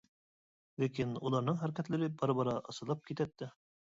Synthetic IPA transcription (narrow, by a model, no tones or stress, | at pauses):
lækinulˠɑɾnɤɴχæɾkæt̪lɘ̆ɾɘbɑɾβɑɾɑʔɤ̆sɤ̆lˠɑp̚kit̪æt̪ːɘ